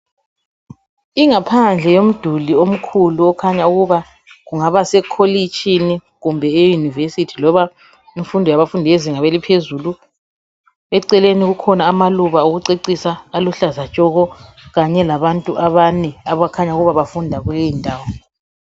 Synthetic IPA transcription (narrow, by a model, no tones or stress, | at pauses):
iŋapʰand͡ɮʱɛjom̩d̥ʱuliom̩kʰuluɔkʰaɲauɣuβa | ɣuŋaβasɛkʰolit͡ʃʼini | ɣumbʱɛːjunivesitʰi̥lɔβa | iɱfundʱɔjaβafundʱijeziŋaβelipʰezulu | ɛǀɛleniɣukʰɔnaːmaluβauɣuǀiǀisaːluɬazat͡ʃʼɔɣɔɣaɲɛlaβantʼuʔaβanɛaβakʰaɲauɣuβaβafundʱaɣulejintʼaːwɔ